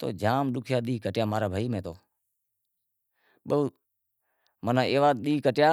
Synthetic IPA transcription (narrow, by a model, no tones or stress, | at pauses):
t̪o̰ːd͡ʒaːmɗʊkʰjaːɗ̪iːkəʈjaːmaːɾaːbʱaːiːmẽːt̪o̰ː | ɓəuː | mənãːeːʋaːɗ̪iːkəʈjaː